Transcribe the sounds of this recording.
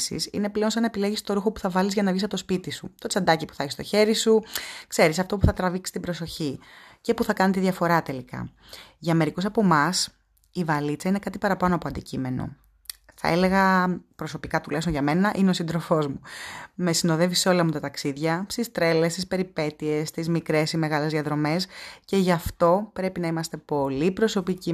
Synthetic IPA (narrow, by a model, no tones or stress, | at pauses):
sḭsḭne̞ple̞onsɐnɐepileʝist̪o̞ɾuxo̞pu̥θɐvɐlizʝɐnɐvʝisɐpot̪o̞spit̪isṵt̪o̞t͡sɐnd̪ɐcipu̥θeçist̪o̞̰çe̞ɾisukse̞ɾisɐft̪o̞puθɐt̪ɾɐviksi̥t̪ibɾo̞so̞çice̞puθɐkɐnit̪iðʝɐfo̞ɾɐt̪e̞likɐ̰ | ʝɐme̞ɾiko̞sɐpo̞mɐs | ivɐlit͡sɐinekɐt̪ipɐɾɐpɐnoɐpo̞ɐnd̪icime̞no̰ | θɐ̰e̞le̞ɣɐpɾo̞so̞pikɐt̪ulesonʝɐme̞nɐʔinesind̪ɾo̞fo̞zmume̞sino̞ðe̞viseo̞lɐmut̪ɐt̪ɐksiðʝɐst̪ist̪ɾe̞le̞st̪ispe̞ɾipe̞t̪ie̞st̪izmikɾe̞sime̞ɣɐle̞zðiɐðɾo̞me̞sce̞ʝɐft̪o̞pɾe̞pinɐimɐst̪e̞po̞lipɾo̞so̞pici